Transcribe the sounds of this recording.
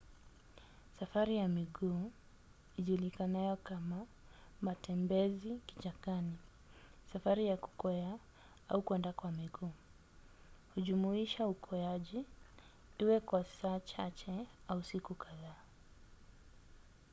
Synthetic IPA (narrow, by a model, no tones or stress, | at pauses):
safaɾijamiɠuː | iʄulikanajɔkamamatɛmbɛziki̥t͡ʃakani | safaɾijaku̥kɔja | a̰ukwɛndakwamiɠuː | huʄumuiʃaukʰɔaʄi | iwɛkwḁsat͡ʃat͡ʃɛ | ausikukʰaðaː